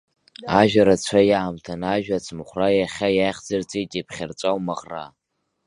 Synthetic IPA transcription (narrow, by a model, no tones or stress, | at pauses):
aʒᶣʷaɾat͡ɕʷʰajaːmtʰanaʒᶣat͡sʰmχʷrajaχʲajajχd͡zart͡sʼetʲʼapʰχʲart͡sʷʼawmaʁra̰